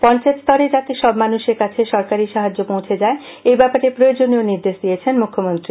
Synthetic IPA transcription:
pɔnt͡ɕaet̪st̪ʰɔɾed͡ʑat̪eʃɔbmanuʃeɾkat͡ɕʰeʃɔɾkaɾiʃaɦad͡ʑːopõw̃t͡ɕʰed͡ʑae | ejbɛpaɾepɾood͡ʑonioniɾd̪eʃd̪ijet͡ɕʰenmukʰːomont̪ɾi

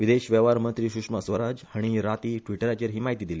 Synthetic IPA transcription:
ʋid̪eɕʋɛʋaɾmənt̪ɾiːɕukʂmasʋəɾad͡ʑhaɽ̃iɾat̪iːʈʋiʈəɾat͡ɕeɾɦiːmaɦit̪iːd̪ile

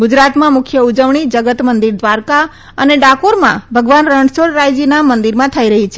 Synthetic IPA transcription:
ɡʊd͡ʒɾat̪mãmʊkʰjəud͡ʒəʋɳid͡ʒəɡət̪mənd̪iɾd̪ʋaɾka | əneɖakoɾmã̰bʱəɡʋanɾəɳsolɾajd͡ʒinamənd̪iɾmãt̪ʰəiɾəɦit͡ʃʰe

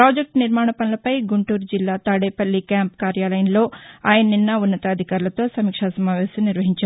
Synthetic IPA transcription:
pɾaːd͡ʒek̚ʈniɾmaːɳɐpɐnulɐpɐjɡuɳʈuːɾd͡ʒilːaːt̪aːɽeːpɐlːikjaːmpkaːɾjaːlɐjɐnlo̞ːaːjɐnɐninːɐunːɐt̪ɐːd̪ʱikaːɾulɐt̪o̞ːsɐmiːkʂaːsɐmaːʋɛːsɐmniɾʋɐɦiɲt͡ʃɐ

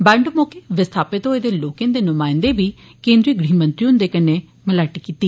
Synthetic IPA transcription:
bɛ̃ːɳɖmoːkeːʋɪst̪ʰaːpɪt̪oːeːd̪eːloːkẽnd̪eːnʊmaːɪ̃nd̪eːʋiː | kẽːnd̪ɾiːɡɽiːmə̃nt̪ɾiːʊnd̪eːkəneː | mələʈikiːt̪iː

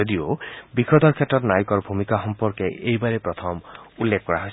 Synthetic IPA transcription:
od̪iobikɾɔd̪ɔɾkʰjatɔɾnajikɔɾbʱumikaxɔmpɔɾkeʔejbaɾepɾɔt̪ʰɔmulːekʰkɔɾaɦɔs

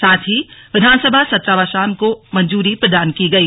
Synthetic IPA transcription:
saːt̪ʰɦiʋɪd̪ʱaːnsəbʱasɐt̪ɾaːʋaːʃaːnkomɐ̃ɲd͡ʒuːɾipɾəd̪aːnkiɡɐiː

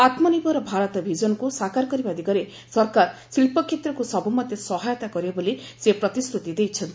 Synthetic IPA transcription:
at̪mɔnibʱɔɾɔbʱaɾɔt̪ɔbʱid͡ʒɔnɔkusakaɾkɔɾibad̪iɡɔɾe | sɔɾkaɾsilpɔkʰːet̪ɾɔkusɔbumɔd̪ʱjɔsɔɦajɔt̪akɔɾieboli | sepɾɔt̪isɾut̪id̪ejt͡ʃʰʌnt̪i

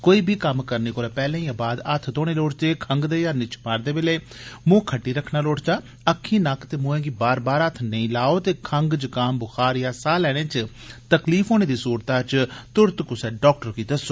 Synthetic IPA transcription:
koːiːbʱiːkəmkəɾniːkoːɾɛːpɛːlẽːiːãːbaːd̪ət̪ʰt̪oːɽ̃eːloːʈt͡ʃ̪eːkʰəŋɡd̪eːjaːnɪt͡ʃʰmaːɾd̪eːbɪleː | mõːkʰəʈːiːɾəkʰnaːloːʈt͡ʃaː | əkʰːĩːnakt̪eːmõːẽːɡiːbaːɾbaːɾət̪ʰnəĩːlaːoːt̪eːkʰəŋɡt͡ʃkaːmbʊxʰaːɾjaːsaːlɛːɽ̃ẽːt͡ʃ | t̪əkliːfʰɦoːñeːd̪iːsuːɾt̪aːt͡ʃt̪ʊɾt̪kʊsɛːɖɔːk̚ʈəɾkiːd̪əsoː

